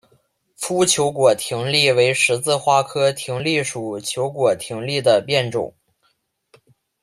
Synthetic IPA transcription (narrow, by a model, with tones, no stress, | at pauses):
fu˥t͡ɕʰjo˧˥ʊkwɔ˨˩t̪ʰi˧˥ŋli˥˩we˧˥ɪʂɻ̩˧˥t͡sɹ̩˥˧xwa˥˩kʰɤ˥t̪ʰi˧˥ŋli˥˩ʂu˨˩t͡ɕʰjo˧˥ʊkwɔ˨˩t̪ʰi˧˥ŋli˥˩d̪ə˩pjɛ˥˩nʈ͡ʂʊ̰˨˩˦ŋ